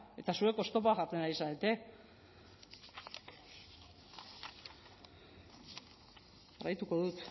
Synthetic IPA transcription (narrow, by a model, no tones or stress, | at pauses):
e̞t̪asue̞ko̞st̪o̞poaʝaɾt͡s̪enaɾisaðet̪e̞ | arajt̪uko̞ðut̪